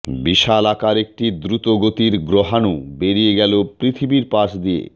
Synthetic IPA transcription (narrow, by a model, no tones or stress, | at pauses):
biʃalakaɾek̚ʈid̪ɾut̪oɡot̪iɾɡɾoɦanubeɾijeɡɛlopɾit̪ʰibiɾpaʃd̪ijḛ